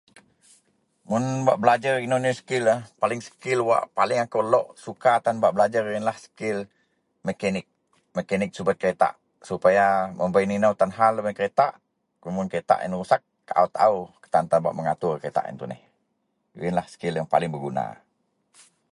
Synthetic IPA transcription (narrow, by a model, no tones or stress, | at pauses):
mʊnbaʔbəlad͡ʒarinonisə̥kɪləpalɪŋsə̥kɪlwa̰ʔpalɪŋakəlɔʔsukat̪anbaʔbəlad͡ʒarənlahsə̥kɪl | məkɛnɪk̚ | məkanɪk̚subət̪̚kəɾet̪a̰ʔ | supajaməmbəininawt̪anɦalməjkəɾet̪a̰ʔ | kumʊnket̪a̰ʔḭnrusak̚ːʔa̰ut̪a̰wkə̥t̪ant̪anba̰ʔməŋat̪ʊrket̪a̰ʔḭnt̪unɪ̰h | ənlahsə̥kɪljaŋpa̰lɪŋbəɡuna̰